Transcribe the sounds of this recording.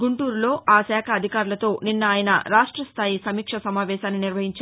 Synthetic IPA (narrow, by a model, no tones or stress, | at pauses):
ɡuɳʈuːɾulo̞ːaːsɛːkʰɐɐd̪ʱikaːɾulɐt̪o̞ːninːɐaːjɐnɐ̰ɾaːʂʈɾɐst̪ʰaːjisɐmiːkʂɐsɐmaːʋɛːʃaːnːiniɾʋɐɦiɲt͡ʃ